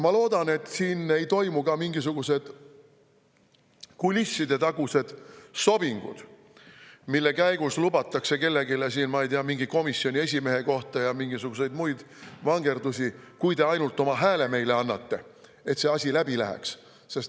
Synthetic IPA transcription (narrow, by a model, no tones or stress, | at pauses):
mɑlo̞ːd̪̥ɑne̞t̪ːˑsiːne̞jt̪o̞jmukɑmiŋɡis̬uɡ̥use̞d̪̥ | kulʲisːid̪e̞t̪ɑɡ̥use̞d̪̥so̞b̥iŋɡ̥ṵd̪̥ | milːe̞kæjɡ̥uslubɑt̪ːˑɑkse̞ke̞lːe̞ɡilesiːnmɑejt̪iɑmiŋɡ̥iko̞misːjo̞nʲie̞s̬ʲime̞ɦe̞ko̞ht̪ɑjɑmiŋɡ̥isuɡ̥use̞jd̪mujd̪̥vɑŋɡ̥e̞rd̪usʲikujd̪e̞ɑjnult̪ːˑo̞mɑɦæːle̞me̞jle̞ɑnːɑt̪ːe̞ | e̞t̪se̞ɑsʲilæb̥ilæɦɛ̰ks | se̞st̪